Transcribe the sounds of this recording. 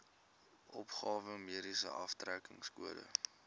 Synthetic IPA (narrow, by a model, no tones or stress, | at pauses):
ʔɔpχɑːvəmiəɾisə̰ʔɐftrækəŋskuədə̰